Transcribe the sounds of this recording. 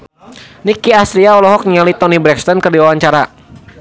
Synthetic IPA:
nikiast̪ɾiaɔlɔɦɔk̚ɲialit̪ɔnibɾɛkst̪ɔnkərdiwawaɲt͡ʃaɾa

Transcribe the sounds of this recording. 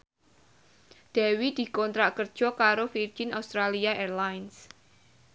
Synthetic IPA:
d̪̥ɛ̤wid̪̥i̤kɔnt̪ɾaʔkər̥ʒ̥ɔ̤kaɾofird͡ʒ̥inast̪ɾaliaʔerlajns

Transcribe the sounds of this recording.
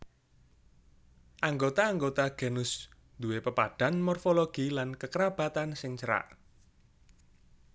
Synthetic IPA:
ʔaŋɡot̪aːŋɡot̪aɡ̥e̤nʊs | d̪uwepəpad̥a̤nmɔrfoloɡ̥ilankəkəɾab̥a̤t̪ansɪŋt͡ʃəɾa̰ʔ

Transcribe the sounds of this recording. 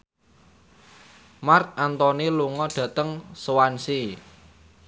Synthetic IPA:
mark̚ant̪ɔniluŋɔɖ̥ä̤t̪əŋsəwansi

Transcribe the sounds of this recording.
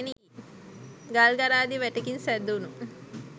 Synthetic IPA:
ni | ɡalɡaɾaːd̪iʋɛʈekinsɛd̪unu

